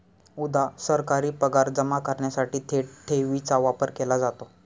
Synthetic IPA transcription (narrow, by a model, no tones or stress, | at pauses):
ud̪ʱasəɾkaɾiːpəɡaɾd͡zəmakəɾɳjasaʈiːt̪ʰeʈʰeʋit͡saʋapəɾkelad͡zat̪o